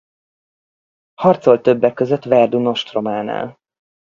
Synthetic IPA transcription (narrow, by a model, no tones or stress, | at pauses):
hɒrt̪so̞lt̪ø̞bːɛkːøzøt̪ːvɛrd̪uno̞ʃt̪romaːna̰ːl